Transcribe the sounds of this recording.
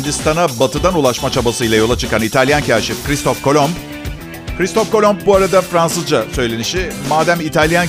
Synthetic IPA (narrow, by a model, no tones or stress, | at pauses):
nd͡ʒ̪ist̪anabat̪ʰɯd̪anulˠaʃmat͡ʃʰabasɯjlˠajo̞lˠat͡ʃʰɯkanit̪ʰalʲjancʰæɾʃifkɾist̪ʰofkolʲom | kɾist̪ʰofko̞lʲomb̚buaɾad̪afɾansɯzd͡ʒasø̞jlʲe̞niʃɪmaːd̪æmit̪ʰalʲjan